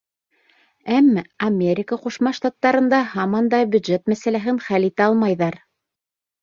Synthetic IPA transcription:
æmːæɐmʲeɾʲɪkəquʃmɑʃt̪ɑt̪ːɑɾɤ̆nd̪ɑhɑmɑnd̪ɑbʲjud̪ʒet̪mæsælæɦɘnχælit̪æɑlˠmɑjðɑɾ

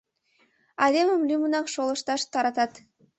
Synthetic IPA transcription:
ɑd̪eməmlʲymənɑkʃolˠə̆ʃt̪ɑʃt̪ɑɾɑt̪ɑt̪

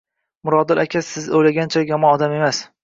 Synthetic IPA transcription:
mʊɾɒd̪ɪlʔakʲʰasɪzojlaɡʲant͡ʃʰaɡʲamɒnɒd̪ame̞mas

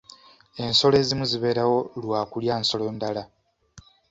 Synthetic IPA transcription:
e̞nso̞le̞ːzimuziβe̞ːɾawo̞lwaːkuljaːnso̞lo̞ːndala

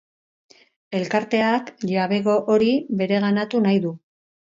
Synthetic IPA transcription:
e̞lkaɾt̪e̞akʎaβe̞ɣo̞ʔoɾiβe̞ɾe̞ɣ̞anat̪unajðu

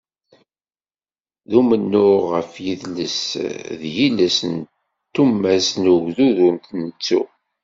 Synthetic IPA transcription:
ðumənːʊʁəfjiðləsðjiləsən | t̪ːumːæsnuɣðuðunt̪nət͡sːṵ

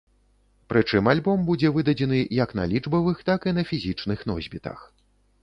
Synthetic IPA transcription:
pɾɨt͡ʂɨmalʲbɔmbud͡zʲɛvɨd̪ɐd͡zʲɛnɨjaknɐ̰lʲid͡ʐbɐvɨxt̪akinɐfʲizʲit͡ʂnɨxn̪ɔ̰zʲbʲit̪ɐ̰x

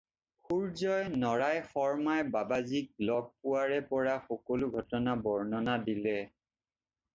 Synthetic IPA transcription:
xuɹzɔjnɔɹajxɔɹmajbabazik̚blɔk̚pʊwaɹɛpɔɹaxɔkɔlʊɡʱɔtɔnabɔɹnɔnadilɛ

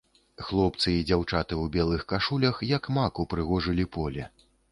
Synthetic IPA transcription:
xlˠɔpt̪sɨid͡zʲawt͡ʂat̪ɨuwbʲɛlˠɨxkaʂulʲɐxjɐkmakupɾɨɣɔʐɨlʲipɔlʲɛ

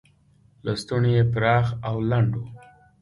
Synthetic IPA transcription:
last̪unejepɾɑxawlaɳɖo

